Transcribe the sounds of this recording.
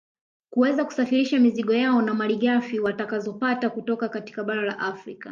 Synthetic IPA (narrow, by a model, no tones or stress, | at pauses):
kuwɛzaku̥safiɾiʃamiziɠɔjaɔnamaliɠafiwatakazɔpatakutɔkakati̥kaɓaɾala̰ʔafɾika